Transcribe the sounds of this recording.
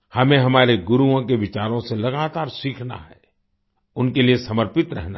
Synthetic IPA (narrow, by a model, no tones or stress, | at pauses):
hɐmẽɦɐmaːɾeɡʊɾuõkeʋɪt͡ʃaːɾõselɐɡaːt̪aːɾsikʰna̰ɦɛ | ʊnkeliesɐməɾpɪt̪ɾɛ̰ɦna